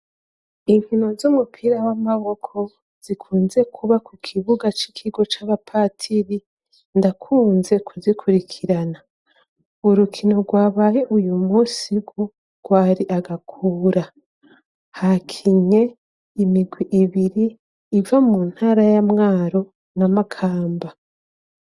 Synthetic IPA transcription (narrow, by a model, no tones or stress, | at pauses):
imkino̞zumupʰiːɾawamaβo̞kʰo̞ | z̥ikʰuːnze̞kʰuβakukʰiβuɡat͡ʃikʰiɡo̞t͡ʃaβapʰatʰiɾi | ndakʰuːnze̞kʰuzikʰuɾikʰiɾana | uɾukʰino̞ɡwaːβajeʔujumusiɡu | ɡ̥waːɾiʔaɡakʰuːɾa | hakʰiɲe̞ | imiɡwiʔiβiɾiː | vamuːn̥haːɾajamŋaːɾo̞ | namakʰaːmba